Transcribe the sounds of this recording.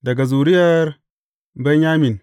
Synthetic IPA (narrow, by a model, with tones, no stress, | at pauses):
da˨ɡa˨zu˨ɾi˦ja˦ɾ | ba˦ɲa˦mi˨n